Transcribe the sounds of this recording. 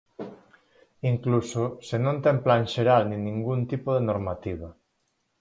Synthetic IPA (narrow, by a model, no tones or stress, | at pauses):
iŋklusosenõnt̪ɛmplanʃeɾalnĩnĩŋɡunt̪ipoðenoɾmat̪iβ̞a